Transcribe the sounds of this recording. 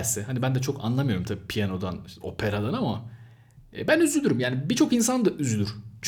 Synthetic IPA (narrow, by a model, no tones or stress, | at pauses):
sɛhanibænd̪ɛt͡ʃʰo̞ka̰nlˠamɯjo̞ɾumt̪ʰabipʰijano̞d̪ano̞pʰe̞ɾad̪ˠanama | ɛːbænyzyd̪yɾymjaːnibit͡ʃʰo̞kinsand̪aʔyzyd̪yɾt͡ʃʰ